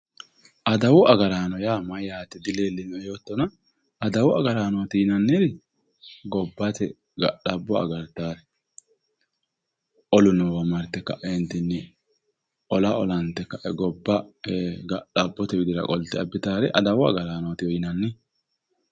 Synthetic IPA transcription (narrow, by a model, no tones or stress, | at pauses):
ʔɐd̪ɐwʊɐɡɐɾaːnɔjaːmɐjaːt̪ːɪd̪ɪleːlːɪnɛjoːt̪ːɔnɐː | d̪ɐwʊɐɡɐɾaːnot̪ɪjɪnɐnːɪɾɪ | ɡɔbːɐt̪ɛ | ɡɐ̰ɗɐbːɔɐ̰ɡɐɾt̪ːaːɾɛ | ʔɔlʊnɔwɐmɐɾt̪ːɛkːɐ̰ʔɛnt̪ɪnːɛ | ʔɔlaʔɔlɐnt̪ːɛkːɐʔɛɡɔbːɐɡɐɗɐbːɔt̪ɛbɪd̪ɪɾɐ̰kʼɔlt̪ɪɐbːɪt̪aːɾɛʔɐd̪ɐwʊɐ̰ɡɐɾaːnot̪ɪjɔjɪnɐnːɪ